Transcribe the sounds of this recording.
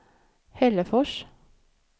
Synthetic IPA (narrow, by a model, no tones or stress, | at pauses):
hɛləfɔʃ